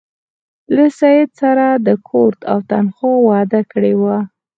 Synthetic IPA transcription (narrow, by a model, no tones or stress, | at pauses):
lasajɪd̪saɾad̪əkʰoɾt̪a̰wt̪anxowɑd̪akəɽewa